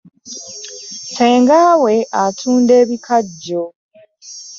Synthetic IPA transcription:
se̞ːŋɡaːwe̞atʰuːnde̞ːβikʰaɟːo

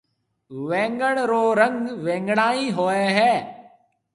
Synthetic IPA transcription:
ʋẽːŋɡəɽɾoːɾə̃ŋɡʋẽːŋɡɽaːĩːɦoːeɦɛː

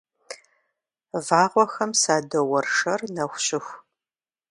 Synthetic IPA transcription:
vaːʁʷɔxɐmsaːdɐwɐrʂɐrnɐxʷɕɪxʷ

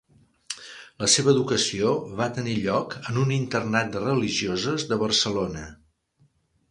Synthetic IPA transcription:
ləseβəːðukəsioβat̪əniʎɔkənunint̪ərnat̪̚d̪rəliʒiozəzðəβərsəlonə

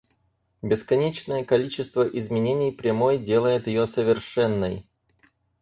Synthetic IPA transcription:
bʲɪskɐnʲet͡ɕnəjəkɐlʲit͡ɕɪst̪vəʔɪzmʲɪnʲenʲɪjpɾʲɪmojdʲe̞lˠəjɪt̪jɪjosəvʲɪrʂɛnːəj

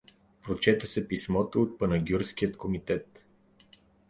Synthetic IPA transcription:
pɾot͡ʃɛt̪əsɛpismɔt̪oːt̪̚pɐnɐɡʲjuɾsk̟ijət̪komit̪ɛt̪

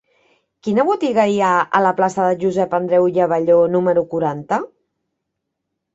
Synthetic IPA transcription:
kinəβut̪iɣəiaələplasəðəʒuzɛpənd̪ɾɛwjəβəʎonuməɾukuɾant̪ə

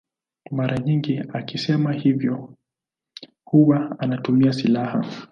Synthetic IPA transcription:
maɾʔaɲiŋɡiakisɛmahivjɔ | huwaanatumiasilaha̰

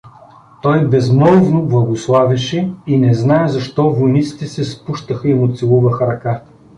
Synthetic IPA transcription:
t̪ɔjbɛzmɤlˠvnoblˠɐɡoslˠavʲɐʃɛinɛznaɛzɐʃt̪ɔvojnit̪si̥t̪ɛsɛspuʃt̪əxɐimot̪silˠuvɐxɐɾɐka

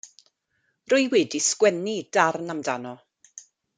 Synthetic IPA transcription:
rʊɨwɛdiskwɛnid̥arnamdanɔ

